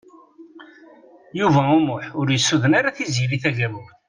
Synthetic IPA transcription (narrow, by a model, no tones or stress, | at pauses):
juvæumʊħʊɾjəsːuðənaɾaθizjiɾiθæʝæmʊ